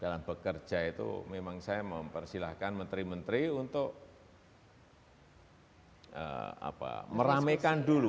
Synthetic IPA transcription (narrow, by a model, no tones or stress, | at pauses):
ɡ̥alabəkər̥d͡ʒ̥ait̪ṵmemaŋsajaməmpərsilahkanmənt̪ɾimənt̪ɾiunt̪ʊk̚ | ə̰a̰pa̰məɾamekandulu